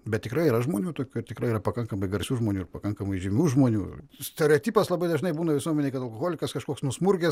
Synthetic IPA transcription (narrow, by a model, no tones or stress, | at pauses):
bʲɛt̪̚tʲɪkɾɐɪiːɾɐʒmoːnʲuːt̪oːkʲuːt̪ʲɪkɾɐɪiːɾɐpɐkɐŋkɐmɐɪɡɐɾʲsʲuːʒmoːnʲuːɪɾpɐkɐŋkɐmɐɪʒʲɪmʲuːʒmoːnʲṵːsʲt̪ʲɛɾʲɛoːt̪ʲiːpɐslˠɐbɐɪd̪ɐʒnɐɪbuːnɐʋʲɪsuɔmʲɛnʲeɪkɐt̪ɐlˠkoɣoːlʲɪkɐskɐʃkoːksnʊsmʊrʲɡʲɛs